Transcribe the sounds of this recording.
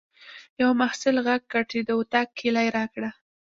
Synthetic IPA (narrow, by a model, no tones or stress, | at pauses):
jawmahsɪlɣaɡ̚ːaʈed̪owt̪akːʰelajɾɑkɽa